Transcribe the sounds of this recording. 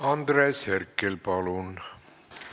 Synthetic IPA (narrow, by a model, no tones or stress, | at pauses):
ɑnd̪reːsherkːelpɑlun